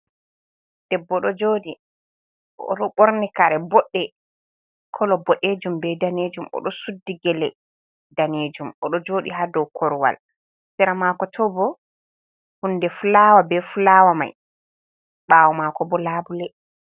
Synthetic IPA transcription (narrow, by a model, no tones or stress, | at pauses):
d̥ɛbːɔɗɔd͡ʒoːɗi | ɔ̰ɗɔɓoɾnikaɾɛbɔɗːɛ | kʰɔlɔbɔɗeːd͡ʒumbɛdaned͡ʒumɔ̰ɗɔsudːiɡɛlɛ | daneːd͡ʒumʔɔɗɔd͡ʒoːɗḭɦadɔwkʰɔɾwa̰l | sɛɾamakɔtʰɔbɔ | hundɛfulawabɛfulaːwama̰j | ɓaːwɔmaːkɔbɔlaːbulɛ